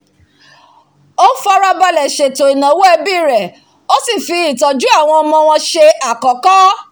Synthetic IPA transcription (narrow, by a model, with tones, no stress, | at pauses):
o˦fɔ˧ɾa˧ba˧lɛ˨ʃe˨to˨i˨nã˨wo˦e˧bi˦˨ɾɛ˨ | o˦si˦˨fi˧i˦˨tɔ˨d͡ʒu˦a˦˨w̃ɔ̃˧ɔ˧mɔ̃˧w̃ɔ̃˧ʃe˧a˨kɔ˨kɔ˦